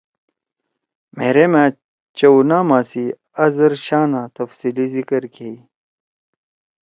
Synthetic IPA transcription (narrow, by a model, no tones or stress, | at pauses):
mḛːɾemaː | t͡ɕɐunaːmaːsi | ɐzɐɾɕaːnaːt̪ɐfsiːlizikɐɾkʰei